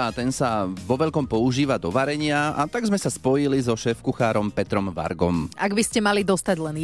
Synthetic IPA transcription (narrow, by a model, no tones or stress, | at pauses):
at̪ɛnsaʋɔʋɛʎkɔmpɔuʒiːʋad̪ɔʋaɾɛɲɪaat̪aɡzmɛsaspɔjilizɔʃɛːfkuxaːɾɔmpɛt̪ɾɔmʋa̰ɾɡɔmaɡbiscɛmalid̪ɔst̪aɟlɛn